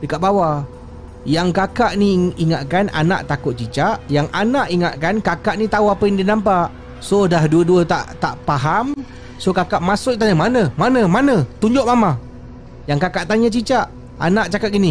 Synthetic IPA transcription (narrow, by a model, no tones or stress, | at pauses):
dəkaʔ̚bawa | jaŋkakaʔniiŋaʔ̪kana̰na̰ʔt̪akʊt̪̚t͡ʃit͡ʃaʔjaŋanaʔiŋaʔkankakaʔnit̪auapəjaŋdinampaʔ | sodahduəduət̪aʔt̪aʔpaɦam | sokakaʔmasʊʔit̪aɲamanə̃manə̃manə̃t̪uɲd͡ʒʊʔ̚mama | jaŋkakaʔt̪aɲat͡ʃit͡ʃaʔ | a̰naʔt͡ʃakat̪ʔ̚ɡini